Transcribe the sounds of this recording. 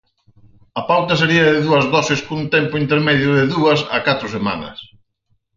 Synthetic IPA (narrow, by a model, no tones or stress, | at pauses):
ɐpawt̪ɐseɾiɐðɪðuɐzðɔsɪskunt̪ɛmpʊint̪̬eɾmɛðjʊðeðuɐsɐ̰kat̪ɾʊsema̰nɐ̰s